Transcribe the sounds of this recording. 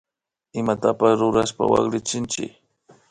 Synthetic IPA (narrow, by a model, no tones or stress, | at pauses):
ɪmat̪apasɾʊɾaspa̰wa̰ɣɾɪt͡ʃɪnt͡ʃɪ̰k